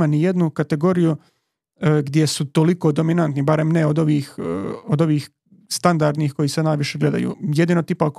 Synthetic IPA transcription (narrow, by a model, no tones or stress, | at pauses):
manije̞d̪nukat̪e̞ɡo̞ɾiju | ɡd̪je̞sut̪o̞liko̞d̪o̞minant̪nibaɾe̞mneo̞d̪o̞ʋiːxod̪o̞ʋiːx | st̪and̪aɾd̪nixko̞jisenaːjʋiʃeɡle̞d̪a̰jṵːjed̪inot̪ipak